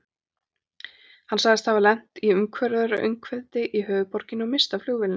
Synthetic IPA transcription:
hansaɣðɪst̪havaɾlɛn̥t̪iʏmkʰvɛɾðʏɾʔʏ̰ɥŋkʰvɛðt̪ɪʔiɦœːvʏpɔɾ̥cɪnɔmɪst̪afl̥uɣvɪlɪn

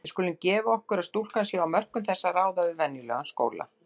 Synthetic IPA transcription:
skɔːlʏncɛːvaɔhkʏɾaðst̪ul̥kansɛawmœr̥kʏmθɛsːaraːwðaʏvɛnːjʏlœ̰ːɣansko̰ːwla̰

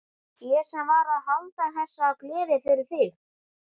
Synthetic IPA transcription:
jɛɾ̥sɛmvaːɾaðhawlt̪aθɛsːaːwkʰlɪːðɪfɪɾɪɾ̥θɪx

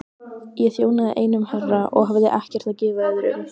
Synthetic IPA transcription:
jɛθjoːwnaðɪʔeːjnʏmharːaʔɔ̰ɣɦavðɪ̰ʔahcɛr̥t̪acɪːvaɛðɾʏ̰

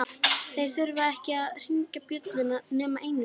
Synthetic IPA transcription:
θejθʏɾvaɛhcɪaðr̥iŋcapjœt̪lɪnːanʏːmaʔejnɪ

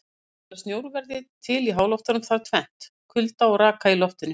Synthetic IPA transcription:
ɛḁst̪joːwɾʏvɛɾðɪt̪ʰɪliɦaːwlɔwt̪aɾnʏmθaɾt̪ʰvɛn̥t̪ | kʰʏlt̪awɾaːkʰailɔht̪ɪnːʏ̥

